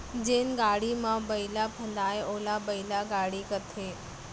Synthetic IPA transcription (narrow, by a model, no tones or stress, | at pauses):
d͡ʒenɡaɽimãbəilapʰəd̪ajeolabəilaɡaɽikət̪ʰe